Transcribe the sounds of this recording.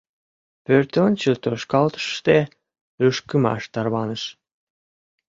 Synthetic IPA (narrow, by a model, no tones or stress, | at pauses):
pøɾt̪ʲont͡ɕilt̪øʃkɑlt̪ɤ̥ʃt̪e | øʃkymɑ̰ʃt̪ɑrβɑnə̆ʃ